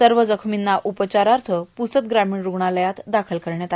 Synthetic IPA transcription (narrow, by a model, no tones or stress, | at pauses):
səɾʋəd͡zəkʰminːaʔupət͡ɕaɾaɾt̪ʰəpusət̪̚ɡɾamiːɳɾuɡɳaləjat̪d̪akʰəlkəɾɳjat̪a